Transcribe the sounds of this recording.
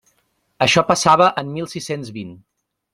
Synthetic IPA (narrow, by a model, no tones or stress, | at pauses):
əʃɔpəsaβ̞əʔəmmilˠsisenzβin